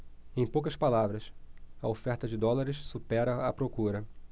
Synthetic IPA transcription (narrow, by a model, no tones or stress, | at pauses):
ẽj̃powkɐspalavɾɐsɐofɛɾt̪ɐd͡ʒɪd̪ɔlaɾɪʃsupɛɾɐɐpɾokuɾɐ